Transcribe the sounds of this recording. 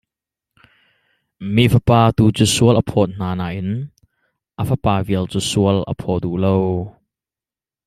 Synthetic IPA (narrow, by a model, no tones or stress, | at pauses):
miʔfəpaːt̪uːt͡suːsuəlʔəpʰɔt̪̚n̥aːnaːʔɪn | ʔəfəpaːviəlt͡susuəlʔə̰pʰɔd̪uʔlow